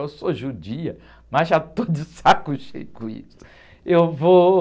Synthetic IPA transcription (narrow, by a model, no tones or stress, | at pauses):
ewsoʒud͡ʒiɐ | mɐʒat̪od͡ʒɪsakʊʃḛjʊkʊũḭsʊ̥ | ewvo